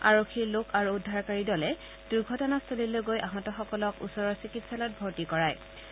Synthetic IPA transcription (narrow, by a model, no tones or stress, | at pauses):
aɹokʰiɹlokʰaɹuːdʱːaɹkaɹidɔlɛ | d̥ujɡʱɔtɔnastʰolilojɡojʔaɦɔtɔxɔkɔlɔkṵsɔɹɔɹsikitsalɔt̚bʱoɹtikɔɹaj